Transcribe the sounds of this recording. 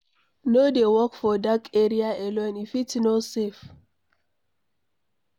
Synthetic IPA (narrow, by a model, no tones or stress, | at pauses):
nodewɔkfɔdakeɾiaɛlɔnifitnosef